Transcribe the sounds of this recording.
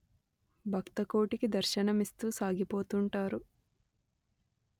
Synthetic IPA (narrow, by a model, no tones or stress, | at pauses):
bʱɐkt̪ɐko̞ːʈikid̪ɐɾʃɐnɐmist̪uːsaːɡipo̞ːt̪uɳʈaːɾu